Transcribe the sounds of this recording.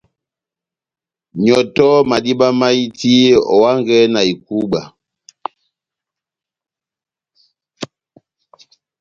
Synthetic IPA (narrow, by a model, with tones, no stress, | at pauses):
ɲɔ˨tɔ˦ma˨di˦ɓa˦ma˦i˦ti˦ɔ̰˨wa˦ŋɡɛ˦na˨i˨ku˦ɓa˨